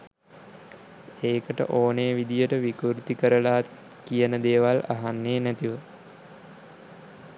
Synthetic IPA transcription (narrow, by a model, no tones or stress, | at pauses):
eːkəʈə̰ʔoːneəʋid̪ijəʈəʋikuɾut̪ikəɾəlaː | kijənəd̪eːʋala̰ɦanːeːnæt̪iʋə